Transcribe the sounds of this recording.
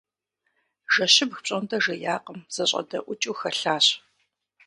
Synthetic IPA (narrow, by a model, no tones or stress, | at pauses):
ʒɐɕɪbxpɕʼɐndɐʒɐjaːqəmz̥ɐɕʼɐ̰dɐ̰ʔʷʊt͡ʃʼuːxɐɬaːɕ